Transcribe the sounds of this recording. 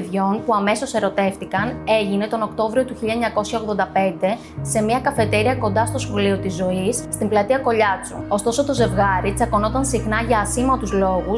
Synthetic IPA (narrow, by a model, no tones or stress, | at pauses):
ðo̞npuɐme̞so̞se̞ɾo̞t̪e̞ft̪ikɐne̞ʝine̞t̪o̞no̞kt̪o̞vɾio̞t̪uçiʎːɐeɲɐko̞sçɐoɣðo̞nd̪ɐpe̞nd̪e̞ | se̞miɐkɐfe̞t̪e̞ɾiɐko̞nd̪ɐst̪o̞sxo̞lio̞t̪izːo̞isːt̪imblɐt̪iɐko̞ʎɐt͡sṵo̞st̪o̞so̞t̪o̞ze̞vɣɐɾit͡sɐko̞no̞t̪ɐnsixnɐʝɐːsimɐt̪uzlo̞ɣu